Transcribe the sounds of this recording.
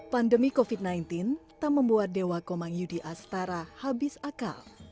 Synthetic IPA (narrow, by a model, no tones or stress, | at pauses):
pandəmikɔfid̚najnt̪int̪aməmbuat̪̚dewakomaŋjudiʔast̪aɾahabɪsaka̰l